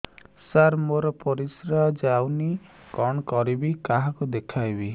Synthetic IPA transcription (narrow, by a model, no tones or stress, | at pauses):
saɾmoɾɔpɔɾisɾad͡ʒawni | kɔɳkɔɾibikaɦakud̪ekʰajbi